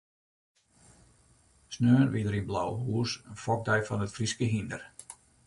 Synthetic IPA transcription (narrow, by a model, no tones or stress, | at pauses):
snøːnʋidəɾinbla̰wɦuəsəfɔk̚dɛjfɔnətfriskəɦində̰r